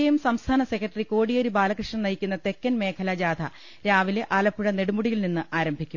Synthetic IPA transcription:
ɐjumsɐmst̪ʰaːnɐse̞kːɐʈːɐriko̞ːɽijɐɾibaːlɐkrɨʂɳɐmnɐjikʲːunːɐt̪e̞kːɐnme̞ːkʰɐlɐd͡ʑaːd̪ʰʱɐ | ɾaːʋile̞ʔaːlɐpːuɽɐne̞ɽumuɽijilninːɨʔaːɾɐmbʱikʲːum

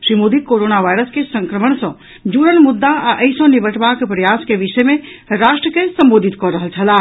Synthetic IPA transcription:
ʃɾimod̪ʱikoɾonaʋaːjɾəskesə̃ŋkɾəməɳsə̃ | d͡ʒuɾənmʊd̪ːaaʔəɪsõnibəʈʰbakpɾəjaskeʋiʃəjmẽɾaːʃʈɾəkesə̃mboːd̪ʱit̪kɔɾəɦəlt͡ʃʰəla

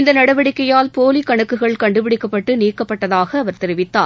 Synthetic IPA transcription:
ɪnd̪ɐnɐɽɐʋɐɽɪkːɐjaːlpoːlikɐɳɯkːɯɣɐɭkɐɳɖɯpɪɽɪkːɐpːɐʈːɯniːkːɐpːɐʈːɐðaːɣɐːʋɐɾt̪ɛɾɪʋɪt̪ːa̰ː

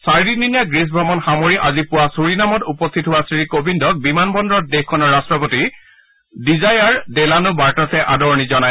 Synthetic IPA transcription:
saɹdininjaɡɹis̬bʱɹɔmɔnxamoɹiʔazipʊwasuɹinamɔtupɔstʰitɦʊwasɹikobindɔk̚bimanbɔndɹɔt̚dexkʰːɔnɔɹːastɹɔpoti | dizajaɹdɛlanʊbaɹtasɛʔadɔɹnizɔnaj

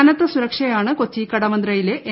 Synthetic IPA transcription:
nɐt̪ːɐsuɾɐkʂɐjaːɳɨkot͡ɕːikɐɽɐmɐnd̪rɐjile̞ʔe

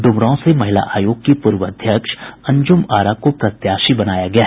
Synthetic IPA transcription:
ɖ̪ʊmɾõsemɐɦɪla̰ʔaːjoːɡkːipʊɾʋəəd̪ʱjəkʃɐ̃ɲd͡ʒʊmaːɾakopɾɐt̪jaːʃibɐnaːjaɡɐjaːɦ

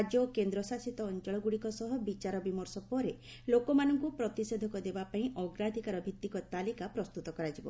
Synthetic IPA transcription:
d͡ʒjɔkend̪ɾɔsasit̪ɔːnt͡ʃɔɭɔɡuɽikɔsɔɦɔbit͡ʃaɾɔbimɔɾsɔpɔɾe | lokɔmanɔŋkupɾɔt̪ised̪ʱɔkɔd̪ebapaĩʔɔɡɾad̪ʱikaɾɔbʱit̪ːikɔt̪alikapɾɔst̪ut̪ɔkɔɾad͡ʒibɔ̰

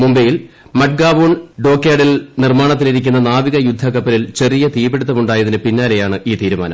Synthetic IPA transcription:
mumbejil | mɐʈ̚ɡaːbuːɳɖo̞ːkːaːɽilnirmaːɳɐt̪̬ːiliɾikʲːunːɐnaːʋiɣɐjud̪ʱːɐkɐpːɐlilt͡ɕe̞rijɐt̪iːbe̞ɽut̪̬ːɐmuɳɖaːjɐðinɨpinːaːle̞jaːɳɨʔiːt̪iːɾuma̰ːnɐ̰m

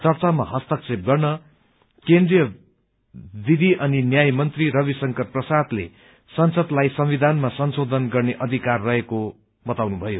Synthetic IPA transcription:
t͡sʌrt͡samaɦʌst̪ʌksep̚ɡʌrnʌ | kend̪rijʌ | d̪id̪ʱiʔʌninjajmʌnt̪riɾʌβisʌŋkʌrprʌsad̪lḛ | sʌnsʌd̪lajsʌmwid̪ʱanmasʌnsod̪ʱʌnɡʌrneʔʌd̪ʱikarːʌɦeko | bʌt̪awnubʱʌjo

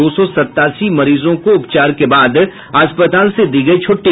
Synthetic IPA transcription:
oːsɔsɐt̪ːaːsimɐɾiːzõkoʊpt͡ʃaːɾkebaːd̪ | aːspət̪aːlsed̪iɡəet͡ʃʰoːʈːi

